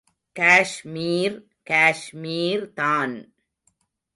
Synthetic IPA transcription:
kaːʃmiːɾ | kaːʃmiːɾt̪aːn

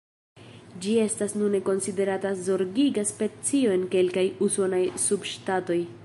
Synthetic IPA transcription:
d͡ʒie̞stasnune̞ko̞nside̞ɾatazo̞ɾɡiɡaspe̞t͡sio̞e̞nke̞lkajuso̞najsubʃtato̞j

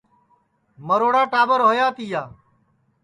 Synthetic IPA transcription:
məɾoːɽaːʈaːbəɾɦoːjaːt̪iːjaː

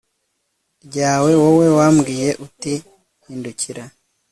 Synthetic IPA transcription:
ɟaːwe̞wowe̞wamɡiːje̞ʔuti | hiːnduciɾa

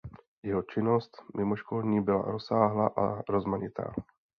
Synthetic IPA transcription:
jɛɦot͡ʃɪnost̪mʔɪmoʃkolɲiːbɪla̰ɾosaːɦlaʔaɾozmaɲɪt̪ʰa̰ː

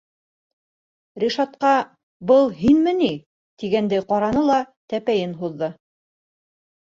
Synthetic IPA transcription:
ɾʲiʃɑt̪qɑ | bɤlˠɦinmɘ̆ni | t̪iɡænd̪æjqɑɾɑnɤlˠɑt̪æpæjɘnɦuðːɤ

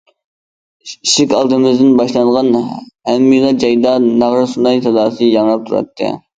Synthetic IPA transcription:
iʃɪkʲɑlˠd̪ɨmɪzd̪ɪnbɑʃlˠɑnʁɑnhæmːilˠɑd͡ʒɑjd̪ɑnɑʁɾɨsunɑjt̪ʰɑd̪ɑːsɨjɑŋɾɑp̚t̪ʰuɾɑ̰t̪ʰːɨ̰

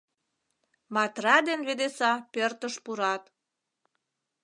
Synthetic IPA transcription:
mɑt̪rɑd̪enβed̪esɑpørt̪əʃpuɾɑt̪

